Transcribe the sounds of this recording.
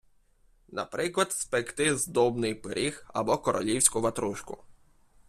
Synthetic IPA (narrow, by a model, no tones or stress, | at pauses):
nɐ̰pɾɪklˠɐd̪̥spekt̪ɪzd̪ɔbnɪjpeɾʲʔixɐ̰bɔkɔɾʔɔ̰lʲiwsʲkʊʋɐt̪ɾuʃkʊ̰